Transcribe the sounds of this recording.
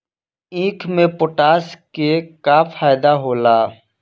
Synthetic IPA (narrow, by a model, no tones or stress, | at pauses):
ĩːkʰmẽpoʈaːskekafʰaːjd̪aɦoːlaː